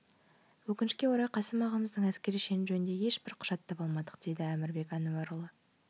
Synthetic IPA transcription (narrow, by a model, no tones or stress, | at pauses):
wɵkʲɪnɪʃkʲe̞wo̞ɾɑjqʰɑsəmɑʁɑməzd̪əɴæskʲe̞ɾijʃe̞nɪʒɵnɪnd̪e̞je̞ʃbɪɾqʰʊ̥ʒ̥ɑt̪ːɑpɑlˠmɑd̪əq̚d̪̥e̞d̪ɪæmɪɾbe̞kɑnuwɑɾʊlˠə